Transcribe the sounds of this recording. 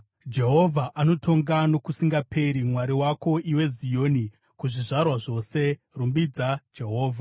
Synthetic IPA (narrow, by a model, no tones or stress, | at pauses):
d͡ʒe̞ɦo̞vʱaʔano̞tʰo̞ŋɡano̞kusiŋɡapʰe̞ɾimwaɾiwako̞ʔiwe̞zijoːni | kuʐiʐarwaʐo̞se̞ | rumbid͡zad͡ʒe̞ɦo̞ːvʱa